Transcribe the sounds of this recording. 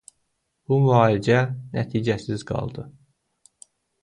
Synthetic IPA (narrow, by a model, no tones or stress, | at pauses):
b̥umyɑːlid͡ʒænæt̪ʰiːd͡ʒæsizɡɑ̰lˠd̪ɯ